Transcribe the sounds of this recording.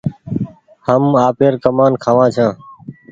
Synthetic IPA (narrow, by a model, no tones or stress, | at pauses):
həmaːpeːɾkəmaːnkʰaːʋãːt͡ʃʰãː